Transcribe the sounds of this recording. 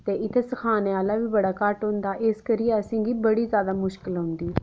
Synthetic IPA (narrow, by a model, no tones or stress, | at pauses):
t̪eːʔɪt̪ʰeːskʰaːneːaːlaːʋiːbəɽaːkaʈɦʊ̃nd̪aːʔeskəɾijəsĩːɡiːbəɽiːzjaːd̪aːmʊʃkɪlɦʊ̃nd̪iː